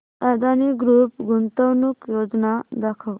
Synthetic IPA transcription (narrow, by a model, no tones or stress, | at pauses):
ad̪ʱaniɡɾuːpɡunt̪əwnukjod͡ʒnad̪akʰəw